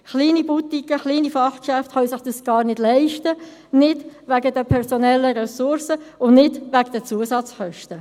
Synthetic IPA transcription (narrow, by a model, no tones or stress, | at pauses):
χliːnibut̪ikəχliːnifɑχkʃæftχœwsɪχd̥əsɡ̥ɑːrnɪdlɛɪʃtə | nɪd̥ʋæɡədɛpʰɛʁsonɛlːəɾɛsʊɾsəʊnnɪdʋæɡd̥ət͡suəsɑt͡sχœʃtə